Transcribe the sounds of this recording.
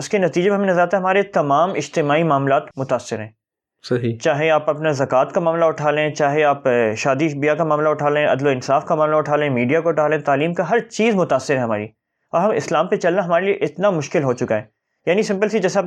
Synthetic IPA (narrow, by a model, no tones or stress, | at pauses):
ʊskenɐt̪iːd͡ʒemeɦɐmẽnɐzəɾaːt̪aɛɦɐmaːɾet̪ɐmaːmɪd͡ʒt̪ɪmaːimaːmlaːt̪mʊt̪aːsːɪɾɦɛ̃ː | sɐɦit͡ʃaːɦeaːpɐpnezɐkaːt̪kamaːmlaʊʈʰaːlẽt͡ʃaːɦeaːpʃaːd̪iʃbijakamaːmlaʊʈʰaːlẽɐ̰d̪loɪnsaːfkamaːmlaʊʈʰaːlẽmiːɖijakaʊʈʰaːlẽt̪aːliːmkaɦɐɾt͡ʃiːzmʊt̪aːsːɪɾɦɛ̃ɦɐma̰ːɾi | ɔːɾɦɐmɪ̰slaːmpet͡ʃɐlnaɦɐmaːɾelieʔɪt̪namʊʃkɪlɦoːt͡ʃʊkaɦɛː | jaːnisɪ̃mpəlsid͡ʒɛːseaːp